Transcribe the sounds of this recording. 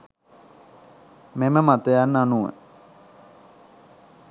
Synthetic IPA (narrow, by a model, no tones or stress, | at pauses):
meməmat̪əjanːanuʋə̰